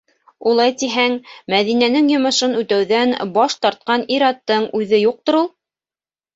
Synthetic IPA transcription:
ulˠɑjt̪iɦæŋmæðinænɘŋjŏmɤ̆ʃɤnʉt̪æwðænbɑʃt̪ɑɾt̪̚qɑniɾɑt̪ːɤɴʉðɘjuq̚t̪ŏɾulˠ

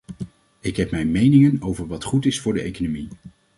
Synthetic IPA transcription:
ɪkɦɛpmɛjmejnɪŋənowvəɹʋɑtχutɪsfʊːɹdəʔḛjkonomi

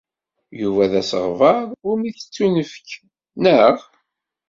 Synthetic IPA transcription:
juvæðæsəʁvəɾˤʊɾmiθə̥t͡sːunəfə̥k | nəʁ

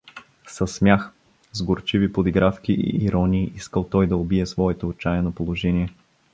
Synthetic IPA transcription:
sɐsmʲjax | zɡoɾt͡ʃivipod̪iɡɾafkʲiʔḭːɾɔnʲiːʔiskəlˠt̪ɔjd̪ɐobiɛsvɔɛt̪oːt͡ʃajɛnopolˠoʒɛniɛ

